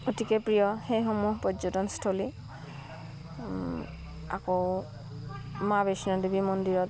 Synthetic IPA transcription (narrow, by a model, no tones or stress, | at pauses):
otikɛpɹijɔxejxomuɦpɔzɔtɔnstʰoli | a̰ko | mabesnɔdibimɔndiɹɔt